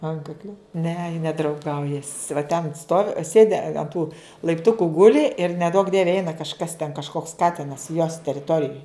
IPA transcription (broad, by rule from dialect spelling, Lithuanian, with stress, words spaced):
ˈɐŋkɐklʲɛ nʲɛ jɪ nʲɛdrɐʊˈɡɐʊjɛs ʋɐ tʲɛn stoːw ˈsʲeːdʲɪ ɐn tuː lˠɐɪpˈtʊkʊ ˈɡʊlʲɪ ɪr nʲɛˈduɔk ˈdʲiɛʋʲɛ ˈɛɪnɐ kɐʃˈkɐs tʲɛn kɐʃˈkoːks ˈkɑːtʲɪnɐs joːs tʲɛrʲɪˈtoːrʲɪjoːj